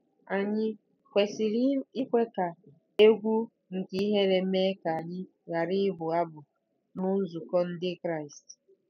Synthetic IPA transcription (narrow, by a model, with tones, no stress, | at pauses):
a˨ɲɪ˦ | kʷe˨si˨ɾi˦i˦kʷe˦ka˨ | e˦ɡʷu˦ | ŋ̩˨ki˦i˦ɦe˦ɾe˨˦me˦ka˨a˨ɲɪ˦ | ɣa˨ɾɪ˦ɦʊ˨a˦bʊ˨ | nʊ˦zu˨kɔ˦n̩˦dɪ˦kɾa˦˨ɪ˨st